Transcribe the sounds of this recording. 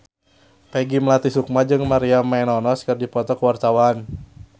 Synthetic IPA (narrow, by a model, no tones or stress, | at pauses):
pɛɡiməlat̪isuk̚mad͡ʒɨŋmaɾiamaɛnɔnɔskɨrdipɔt̪ɔkəwart̪awan